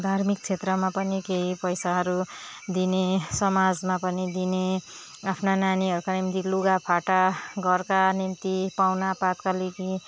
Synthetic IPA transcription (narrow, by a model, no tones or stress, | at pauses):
d̪ʱarmik̚t͡sʰet̪rʌmapʌnikeipʌjsaɦʌɾud̪inesʌmad͡zmapʌnid̪ine | apʰnananiɦʌɾukanimt̪iluɡapʰaʈaɡʌrkanint̪ipawnapat̪kaleɡi